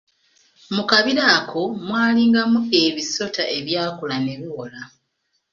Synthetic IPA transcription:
mukaβiɾaːkʰo̞mwaːliːŋɡamue̞βiso̞taʔe̞βjaːkulane̞βiwola

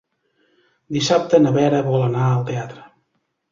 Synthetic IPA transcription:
d̪isap̚t̪ənəβɛɾəβɔlˠənaəlˠt̪eat̪ɾə

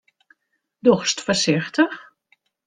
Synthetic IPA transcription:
dɔχstfərsɪxtəx

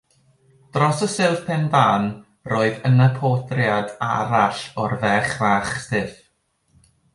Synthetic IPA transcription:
d̥rɔsəsɪlˠθpʰɛnvaːn | roːɨðənəpʰoθrjada̰ɾaɬɔrvɛχvaːχsɨθ

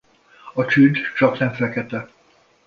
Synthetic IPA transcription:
ɒt͡ʃyd̪t͡ʃɒknɛɱfɛkɛt̪ɛ

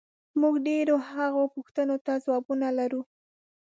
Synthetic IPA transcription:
muɡɖeɾohaɣopʊxt̪ənot̪azwɑbunalaɾu

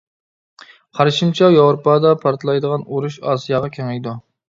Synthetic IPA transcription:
qʰɑɾʃimt͡ʃʰɛjɑwɾupɑːd̪ɑpʰɑɾt̪ʰlˠɑjd̪əʁɑnuɾuʃɑ̰ːsijɑːʁɑkʲʰeŋɪjd̪u

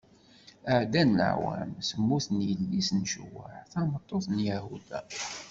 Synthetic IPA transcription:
əʕd̪ænlə̰ʕwæ̰msəmːuθnjəlːisnʃwə̰ħθæmət̪ˤːoθˤnjæhud̪æ̰

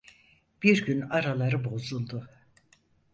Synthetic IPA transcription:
b̥iɾɟynaɾalˠaɾɯbo̞zulˠd̪u

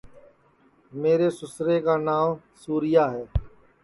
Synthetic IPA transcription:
meːɾeːsʊsɾeːkaːnaːm | suːɾɪjaːɦɛː

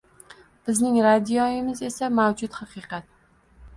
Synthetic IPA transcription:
b̥ɪznɪŋɾad̪ijɒjɪmɪze̞samawd͡ʒʊt̪hɑqɨqɑt̪̚

